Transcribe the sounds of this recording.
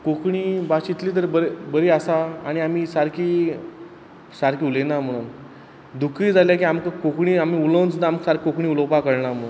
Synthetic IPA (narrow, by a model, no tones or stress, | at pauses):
kokɳiːbat͡ɕit̪liːt̪̬əɾbəɾebəɾiːasaaɽ̃iam̤iːsaɾkiː | saɾkiːulend̪am̤əɽ̃uːn | d̪ukʰiːd͡zʱaljak̬iːamkakokɳiːam̤iːulənd͡znaməksaɾkʰiokɳ̃iːuləwpakəɽɳam̤əɽ̃uːn